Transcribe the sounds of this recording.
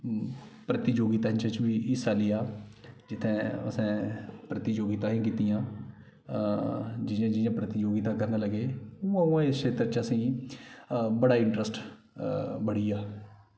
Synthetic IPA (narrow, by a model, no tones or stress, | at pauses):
pɾət̪id͡ʒoːɡiːt̪aːɦt͡ʃət͡ʃbiːʔɪsaːliːaːd͡ʒɪt̪ʰːẽːə̰sãːpɾət̪id͡ʒoːɡiːt̪ãːɦĩːkiːt̪ijãː | d͡ʒɪjãːd͡ʒɪjãːpɾət̪id͡ʒoːɡiːt̪ãːkəɾnaːləɡeːuːãũãːɪskʰeːt̪ɾt͡ʃəsĩː | bəɽaːɪɳʈɾəsʈ | bəɽiːaː